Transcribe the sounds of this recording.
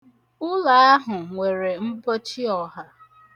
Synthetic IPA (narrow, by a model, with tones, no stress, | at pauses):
ʊ˦la˨a˦ɦʊ˨ŋʷe˨ɾe˨m̩˦bo˦t͡ʃi˦ɔ˨ɦa˦